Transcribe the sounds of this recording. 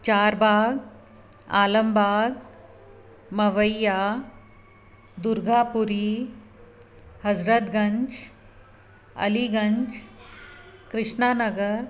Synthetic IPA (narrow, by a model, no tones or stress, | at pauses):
t͡ɕaːɾbʱaːɡ | a̰ːləmbʱaːɡ | mɐʋəjːa | d̪uɾɡʱapuɾi | həd͡zɾət̪ɡəɲd͡ʒ | ə̰liɡəɲt͡ʃ | kɾɪʂɳanəɡəɾ